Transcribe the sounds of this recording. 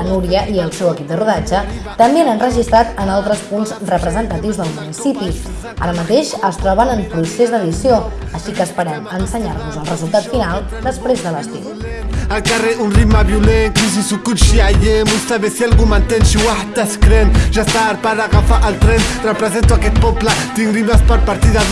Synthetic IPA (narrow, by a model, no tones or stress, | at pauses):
ənuɾiəʔiəlˠsɛwəkip̚d̪əruðad͡ʒət̪əmbeanənrəʒist̪ɾat̪ənalˠt̪ɾəspunzrəpɾəzənt̪ət̪iwzðəlˠmunisipi | a̰ɾəmət̪eʃəst̪ɾɔβənəmpɾusezd̪əðisioəʃikəːspəɾɛmənsəɲaɾβuzəlˠrəzulˠt̪at̪finalˠ | d̪əspɾezðələst̪iw | əlkareʔunriɡmaβjuleŋkis̬isukuʃiaʎemusaβesialɣumant̪enʃuat̪askɾenʒast̪aːɾpaðaɣafaʔəlˠt̪ɾɛnrəpɾəzent̪uakɛt̪̚pɔplət̪iŋriməspəɾpaɾt̪iða